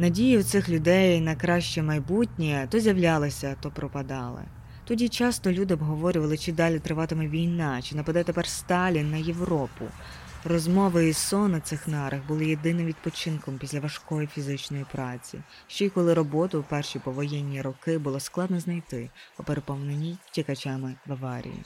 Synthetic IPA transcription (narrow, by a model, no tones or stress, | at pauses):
nɐdʲijʊwt̪sɪxlʲʊd̪ɛjnɐjkɾɑʃt͡ʃɛmɐjbutʲnʲit̪ɔzʲjɐwlʲɑlˠɪsʲɐt̪ɔpɾɔpɐd̪ɑlˠɪ̰ | t̪ɔdʲit͡ʃɑst̪ɔlʲud̪ɪɔbɦɔʋɔɾʲʊʋɐlˠɪt͡ʃɪd̪ɑlʲit̪ɾɪʋɑt̪ɪmɛʋʲijnɑt͡ʃɪnɐpɐd̪ɛt̪epɛrst̪ɑlʲinːɐje̞ʋɾɔpʊ̰ | rɔzmɔʋɪːsɔnɐt̪sɪxnɑɾɐɣbʊlˠɪjed̪ɪnɪmʋʲid̪pɔt͡ʃɪnkɔmpʲisʲlʲɐʋɐʃkɔjifʲizɪt͡ʃnɔjipɾɑt͡sʲḭ | ʃt͡ʃɔjkɔlˠɪɾɔbɔt̪ʊwpɛrʃipɔʋɔjɛnʲːiɾɔkɪbʊlˠɔsklˠɑd̪nɔznɐjt̪ɪɔpeɾepɔwnenʲijtʲikɐt͡ʃamɪʋɐʋɑɾʲḭjḭ